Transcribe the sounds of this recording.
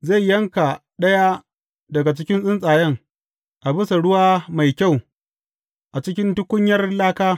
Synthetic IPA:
za˦˨jːɐ˦ŋka˨ | ɗɐ˦ja˦ | dɐ˨ɡa˨t͡ʃɪ˦kʲɪ˦nsʼɪ˦nsʼaː˨jɐ˦ŋ | ʔa˨bɪ˦sa˨ɽʊ˦waː˦ma˨jkʲa˦˨w | ʔa˨t͡ʃɪ˦kʲɪ˦ntʊ˦kʷʊ˦ɲjɐ˦rlaː˦kaː˦

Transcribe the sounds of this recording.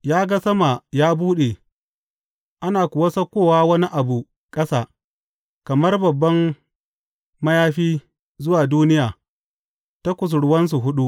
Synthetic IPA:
jaː˦ɡa˦sɐ˦ma˨jaː˦buː˦ɗe˨ | ʔa˦naː˨kʷʊ˨wɐ˦sɐ˦kʷːoː˦˨waː˦wɐ˦ni˦ʔa˨bu˨ | kʼɐ˦saː˦˨ | kɐ˨mɐ˦rbɐ˨bːɐ˦m | mɐ˦jaː˦ɸiː˦ | zʊ˦waː˨duː˦nɪ˦jaː˨ | ta˦kʷʊ˨s̬ɽʊ˦wɐ˦ns̬u˨ɦʊ˦ɗu˦ʔ

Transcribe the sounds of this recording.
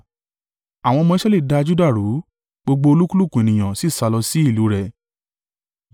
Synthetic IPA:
a˨w̃ɔ̃˧mɔ̃˧i˦ʃɛ˦li˦˨da˧d͡ʒu˦da˦˨ɾu˨˦ | ɡ͡bo˧ɡ͡bo˧o˧lu˦ku˦lu˦˨kũ˨e˨nĩ˨j̃ã˨si˨˦˨sa˧lɔ˧si˦i˦˨lu˨˦ɾɛ˨

